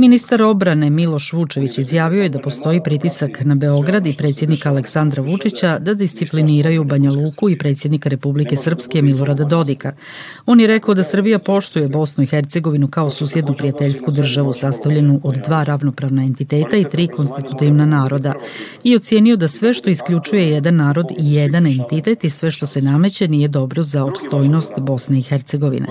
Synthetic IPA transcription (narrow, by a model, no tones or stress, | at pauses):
minist̪aɾo̞bɾane̞milo̞ʃʋut͡ʃe̞ʋit͡ɕizjaːʋioje̞d̪apo̞st̪o̞ipɾit̪isaknabe̞o̞ɡɾad̪ipɾet̪sje̞d̪nikaːle̞ksand̪ɾaʋut͡ʂit͡ɕad̪ad̪ist̪sipliniːɾajuːbaɲaluːkuipɾet̪sje̞d̪nikaɾe̞publike̞sr̩pske̞milˠo̞ɾad̪ad̪o̞d̪ika | o̞ːnjeɾe̞kao̞d̪asr̩bijapo̞ʃt̪uje̞bo̞snuixeɾt̪se̞ɡo̞ʋinukao̞suːsje̞d̪nupɾijat̪eʎskud̪r̩ʒaʋusast̪aʋʎenuʔod̪ːʋaːɾaʋno̞pɾaʋnae̞nt̪it̪e̞ːt̪ait̪ɾiːko̞nst̪it̪ut̪iʋnanaːɾo̞d̪a | io̞t̪sje̞ːnijo̞d̪asʋe̞ʃt̪o̞iskʎʲut͡ʃuje̞jed̪anːaːɾo̞d̪ijed̪anent̪it̪e̞t̪isʋe̞ʃt̪o̞se̞name̞t͡ɕeniːje̞d̪o̞bɾo̞zaopst̪o̞ːjno̞st̪bo̞sne̞ixeɾt̪se̞ɡo̞ʋḭnḛ